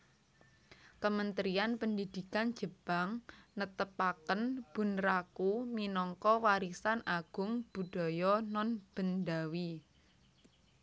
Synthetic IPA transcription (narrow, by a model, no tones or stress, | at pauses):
kəmənt̪ɾianpəndid̪̥i̤kand̥d͡ʒ̥ə̤b̥a̤ŋnət̪əpakənb̥ṳnrakuminɔŋkɔwaɾisanʔaɡ̥ʊŋb̥ṳd̥ɔ̤jɔnɔnb̥ə̤nd̪awi